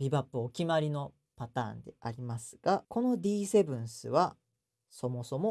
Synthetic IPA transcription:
ɾʲibapːɯokʲimaɾʲino̞ | pat̪ã̰ːnd̪e̞̰ʔaɾʲimasɨ̥ɡ̥ako̞no̞d̪ʲiːse̞bɯ̟̃ɰ̃sɨ̰βa | so̞mo̞so̞mo̞

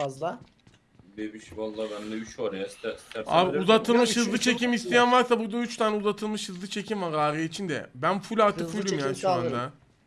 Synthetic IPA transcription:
azlˠa | bebiʃvalˠːabɛnmd̪ɛbiʃoɾajast̪ʰɛst̪ʰɛa̰ːbuzat̪ʰɯlˠmɯʃhɯzlˠɯt͡ʃʰe̞cimist̪ʰijænvaɾsabuɾd̪ayt͡ʃt̪ʰaːnɛuzat̪ʰɯlˠmɯʃhɯzlˠɯt͡ʃʰe̞cʰimvaɾaːɾjeit͡ʃʰind̪ɛ̰bænfulʲaɾt̪ʰɯkfulʲimjaːniʃuand̪a

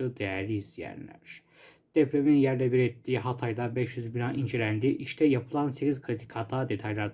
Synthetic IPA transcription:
ɯd̪ejæɾlʲiizjæ̰nlʲæ̰ɾ̥ | d̪̥epʰɾeminjæɾlʲɛbiɾɛt̪ːiːɦat̪ʰajd̪ˠabɛʃjyzbinaʔind͡ʒelʲænd̪iʔiʃt̪ʰɛjapʰɯlˠanseciz̥kʰɾit̪ʰi̥kʰat̪ʰaːd̪e̞t̪ʰajlˠaɾd̪

